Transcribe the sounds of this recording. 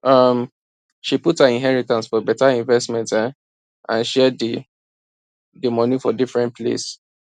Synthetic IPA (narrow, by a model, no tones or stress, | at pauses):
ʌm | ʃiputhaĩnɦɛɹitãnsfɔbɛtaĩnvɛstmɛ̃nta | ãnʃɛdi | dimɔnifɔdifɹɛ̃nt̚pʰlḛs